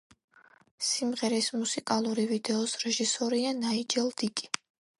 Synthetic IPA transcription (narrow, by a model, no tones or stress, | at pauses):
simʁɛɾismusikʼalˠuɾivid̪ɛɔsɾɛʒisɔɾianaid͡ʒɛlˠd̪̥ikʼi̥